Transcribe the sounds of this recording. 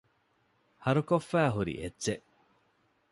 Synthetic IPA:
hɐɾukofːæːɦuɾḭʔetːt͡ʃeʔ

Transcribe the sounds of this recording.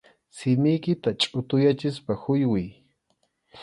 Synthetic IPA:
sɪmɪjkɪt̪at͡ʃʼʊt̪ʊjat͡ʃɪspahʊjwɪj

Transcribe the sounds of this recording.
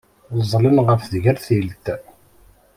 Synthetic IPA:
zˤlənʁəfðʝəɾθilt̪

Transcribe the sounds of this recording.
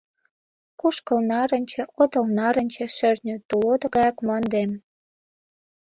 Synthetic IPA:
kuʃkəlnɑɾə̆nʲt͡ɕĕʔot̪ə̆lnɑɾə̆nʲt͡ɕĕʃĕrnʲøt̪ulod̪ə̆ɣɑjɑkmɑnd̪em

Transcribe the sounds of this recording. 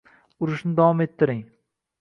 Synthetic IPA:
ʊɾɪʃnɪd̪awɒme̞t̪ʰːɪɾɪŋ

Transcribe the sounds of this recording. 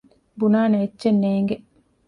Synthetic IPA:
bunaːneetːt͡ʃenːeːŋɡe

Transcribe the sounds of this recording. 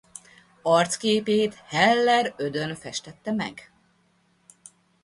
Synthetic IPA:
ɒrt̪skeːpeːt̪hɛlːɛɾød̪ønfɛʃt̪ɛt̪ːɛmɛ̰ɡ

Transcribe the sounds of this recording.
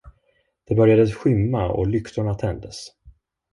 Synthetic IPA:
d̪̥ɛbœɾjad̪əsɧʏmːaɔ̰lʏkt̪ʊɳat̪ʰɛnd̪əs

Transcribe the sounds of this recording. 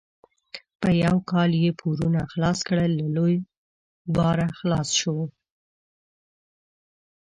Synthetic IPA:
pəjawkɑljepʰuɾunaxlɑskɽəlːaloj | bɑɾaxlɑsʃow

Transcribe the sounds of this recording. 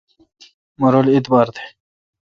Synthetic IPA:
mɐɾoːlit̪bɑːɾd̪ʰe̥

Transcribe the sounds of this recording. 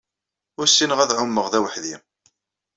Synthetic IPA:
ʊɾsːinəʁæðʕʊmːəʁðæwəħðim

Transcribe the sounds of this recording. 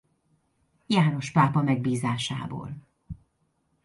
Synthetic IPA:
jaːno̞ʃpaːpɒmɛɡ̚biːzaːʃa̰ːbo̰ːl

